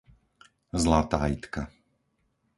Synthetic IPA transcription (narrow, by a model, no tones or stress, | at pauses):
zlat̪aːit̪ka